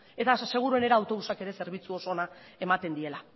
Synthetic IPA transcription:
e̞t̪ase̞ɣ̞uɾue̞ne̞ɾaːwt̪o̞βusake̞ɾe̞se̞ɾβ̞it͡suo̞so̞na | e̞mat̪e̞nd̪ie̞la

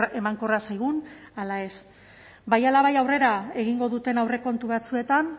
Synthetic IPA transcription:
e̞maŋko̞rasajɣunalae̞s | bajalaβajawre̞ɾae̞ɣ̞iŋɡo̞ðut̪e̞nawre̞ko̞nt̪uβat͡sue̞t̪an

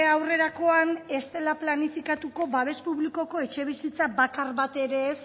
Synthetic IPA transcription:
awre̞ɾako̞ane̞st̪e̞laplanifikat̪uko̞baβ̞e̞spuβliko̞ko̞e̞t͡ʃe̞β̞isit͡sabakaɾβat̪e̞ɾe̞ːs

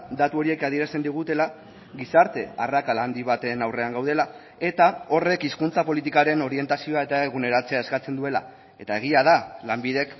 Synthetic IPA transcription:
d̪at̪uo̞ɾie̞kaðieɾast̪e̞nd̪iɣ̞ut̪e̞la | ɣisaɾt̪e̞arakaland̪iβat̪e̞nawre̞aŋɡawðe̞la | e̞t̪ao̞re̞kiskunt͡sapo̞lit̪ikaɾe̞no̞ɾie̞nt̪asio̞ae̞t̪aeɣune̞ɾat͡se̞ae̞skat͡se̞nd̪ue̞la̰ | e̞t̪ae̞ɣ̞iaðalambiðe̞k

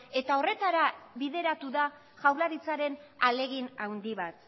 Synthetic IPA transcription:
e̞t̪ao̞re̞t̪aɾaβiðe̞ɾat̪uða | ʝawlaɾit͡saɾe̞nale̞ɣinawnd̪iβat̪

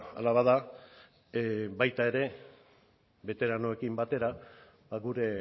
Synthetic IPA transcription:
a̰laβaða | bajt̪ae̞ɾe̞ | βe̞t̪e̞ɾano̞e̞kimbat̪e̞ɾa | baɣuɾe̞

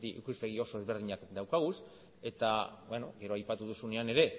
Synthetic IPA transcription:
t̪iʔḭkuspe̞ɣ̞io̞so̞e̞zβe̞ɾð̞iɲakd̪awkaɣ̞us | e̞t̪aβweno̞̰ɡe̞ɾo̞ajpat̪uð̞usune̞ane̞ɾe̞

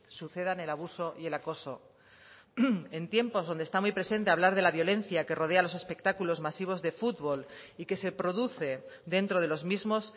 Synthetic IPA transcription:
suθe̞ð̞ane̞laβ̞uso̞ʔje̞lako̞so̞ | e̞nt̪je̞mpo̞zðo̞nd̪est̪amijpɾe̞sẽ̞nt̪e̞aβlaɾð̞e̞laβjo̞le̞n̟θjake̞ro̞ð̞ealo̞se̞spe̞k̚t̪akulo̞zmasiβ̞o̞zðe̞fut̪βo̞like̞se̞pɾo̞ðuθe̞d̪e̞nt̪ɾo̞ð̞e̞lo̞zmizmo̞s

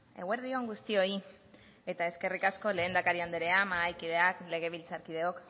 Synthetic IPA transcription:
ḛɣe̞ɾðio̞ŋɡust̪io̞i | e̞t̪ae̞ske̞rikasko̞le̞ːnd̪akaɾiand̪eɾe̞amaajkið̞e̞akle̞ɣ̞e̞β̞ilt͡saɾkið̞e̞o̞k

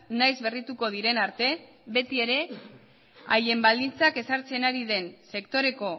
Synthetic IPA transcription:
najzβe̞rit̪uko̞ð̞iɾe̞naɾt̪e̞ | βe̞t̪ie̞ɾe̞ | aje̞mbald̪int͡sake̞saɾt͡se̞naɾiðe̞nse̞kt̪o̞ɾe̞ko̞

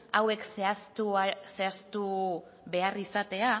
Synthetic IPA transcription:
awe̞kseast̪use̞ast̪u | βe̞arisat̪e̞a

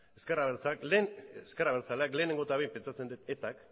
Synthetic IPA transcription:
eskeraβeɾt͡sakleskeraβeɾt͡saleakle̞ːne̞ŋɡo̞t̪aβejmpe̞nt͡sat͡se̞nd̪it̪e̞t̪ak

